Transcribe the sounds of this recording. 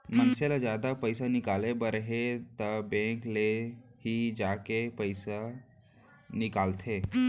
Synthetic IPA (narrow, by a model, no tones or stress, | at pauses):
mənselad͡ʒjaːd̪apəjsanikaːlebəɾəɦet̪əbẽklehid͡ʒakepəjsa | nikalt̪ʰe